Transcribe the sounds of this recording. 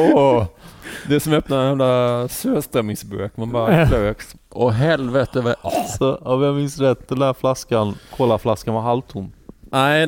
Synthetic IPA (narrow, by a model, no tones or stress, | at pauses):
ɔ | d̪ɛsɔmœpnadnhɛmlasøːst̪ɾɛmːɪŋsbø̰ːkmɛnbɑːɾakløːks | ʔɔɦɛlvɛt̪əvɛʔalsɔɔvamɪnsɾɛt̪d̪ɛnd̪æːɾflaskankʰɔlːaflaskanvaɾɦalt̪ʰʊmnæɪ